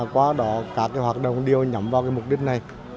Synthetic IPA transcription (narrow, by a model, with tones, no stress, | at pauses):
kwaː˨˦ɗɔ˨˦kaː˦˥kːaː˨˦jɦwaː˨˩t̚ɗə̰˧˨wŋ͡mɗi˨˧əwɲə˧˦mvaː˧wkaː˨˦jm˨˩k͡p̚ɗï˦˥k̟̚na˨˩j